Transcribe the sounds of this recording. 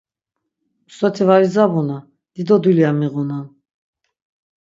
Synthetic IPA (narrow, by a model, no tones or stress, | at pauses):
sɔt̪ʰivaɾizabuna | d̪̥id̪ɔd̪uliamiʁunan